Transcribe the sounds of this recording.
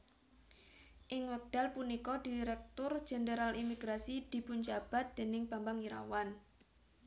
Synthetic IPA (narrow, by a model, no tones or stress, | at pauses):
ʔɪŋwɛk̚d̥a̤lpunikɔd̪̥iɾɛk̚t̪ʊr̥ʒ̥ɛ̤nd̪əɾalimiɡ̥ɾasid̪̥i̤pʊnd͡ʒab̥a̤t̪̚d̪̥e̤nɪŋb̥ambaŋiɾa̰wan